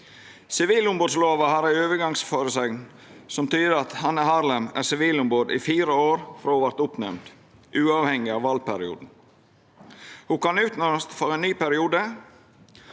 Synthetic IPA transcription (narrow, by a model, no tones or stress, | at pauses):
sɪʋiːlʊmboːd̪sloːʋɑhɑːɾæɾøːʋəɡɑŋsfoːɾəsɛɡn | sɔmt̪ʰyːd̪əɾɑt̪hɑnːəhɑːɾləmæ̰sɪʋiːlʊmboːd̪ɪfiːɾəoːɾfɾoːʋɑɾt̪ʊpnɛmd̪ | ʔʉːɑːʋhɛŋːɪɑʋɑlpæɾɪṵːd̪n̩ | hʊkɑnʉːt̪nɔməst̪fɔɾɛnnyːpæɾɪuːd̪ə